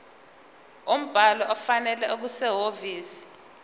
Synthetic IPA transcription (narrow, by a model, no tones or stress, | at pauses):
um̩b̥ʱalɔɔfanɛlɛʔok̬usɛɦoviːsi̥